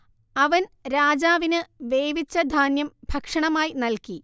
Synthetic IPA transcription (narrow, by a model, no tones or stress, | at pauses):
ɐʋɐnɾaːd͡ʑaːʋinɨʋeːjʋit͡ɕːɐd̪ʱaːnjɐmbʱɐkʂɐɳɐmaːjinɐlki